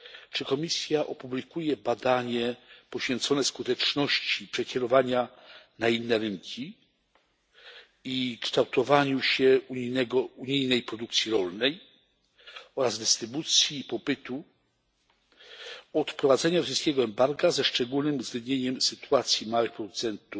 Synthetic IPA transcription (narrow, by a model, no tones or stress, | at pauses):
t͡ʂɘkɔmʲisʲjaʔɔpublʲikujɛbad̪aɲɛpɔɕfʲjɛnt̪sɔnɛskut̪ɛt͡ʂnɔɕt͡ɕipʂɛkʲɛɾɔvaɲanainːɛɾɘŋkʲi | ikʂt̪awt̪ɔvaɲuɕɛuiɛɡɔuɲijnɛjpɾɔd̪ukt̪sʲjiɾɔlnɛj | ɔɾazd̪ɛst̪ɾɘbut̪sʲjiːpɔpɘt̪u | ɔt̪pɾɔvad̪zɛɲaɾɔs̬iskʲɛɡɔɛmbaɾɡazɛʂt͡ʂɛɡulnɘmuzɡlɛnd̪ɲeɲɛmsɘt̪uat̪sʲjimawɘxpɾɔd̪ut̪sɛnt̪u